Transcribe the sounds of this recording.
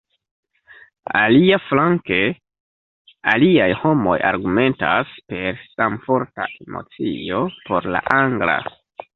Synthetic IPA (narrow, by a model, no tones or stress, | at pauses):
aliaflaŋke̞ | aliajho̞mo̞jaɾɡume̞ntaspe̞ɾsamfo̞ɾtaʔemo̞̰t͡sḭo̞po̞ɾla̰ʔaŋɡla̰